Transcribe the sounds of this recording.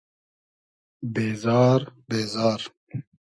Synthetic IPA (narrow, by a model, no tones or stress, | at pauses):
beːzɑːɾbeːzɑːɾ